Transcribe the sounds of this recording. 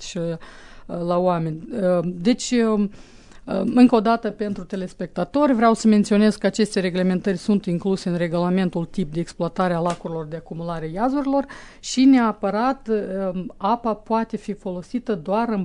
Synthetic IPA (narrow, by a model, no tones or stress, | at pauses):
lawame̞nʲd̪e̞t͡ʃʲ | ɨŋkəod̪at̪əpe̞nt̪ɾut̪e̞le̞spe̞k̚t̪at̪o̞rʲvɾeawsəment̪sio̞ne̞zkəat͡ʃe̞st̪e̞ɾeɡle̞me̞nt̪ərʲsunt̪iŋkluse̞ɨnre̞ɡulame̞nt̪ult̪ip̚d̪e̞ːksploat̪aɾealakuɾilo̞rd̪eakumulaɾeajazuɾilo̞r | ʃineapəɾat̪əapapoat̪e̞fifo̞lo̞sit̪əd̪oaɾɨn